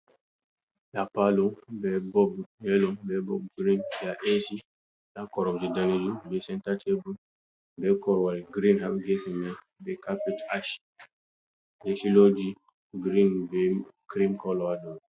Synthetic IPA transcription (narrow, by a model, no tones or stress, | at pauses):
japalobɛbɔbɛlɔbɛbɔb̚ɡɾĩnjaʔesi | jakɔɾɔbd͡ʒidaned͡ʒibɛsɛ̃ntatʰebu | bɛkɔɾwaliɡɾĩnɦabɡɛsimɛ | bɛkapetaʃi̥ | jɛsilɔd͡ʒi | ɡɾinbekɾimkɔlɔadɔ